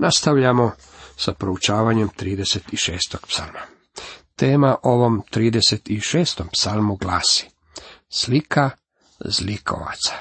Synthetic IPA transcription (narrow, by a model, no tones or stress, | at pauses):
nast̪aʋʎamo | sapɾout͡ʃaːʋaɲemt̪ɾiːd̪e̞set̪iʃeːst̪oɡ̥psa̰lˠma | t̪e̞ːmaʔo̞ʋo̞mt̪ɾiːd̪eset̪iʃeːst̪ompsalˠmuɡlaːsi̥ | slikʰa | zlikʰo̰ʋa̰t̪sḁ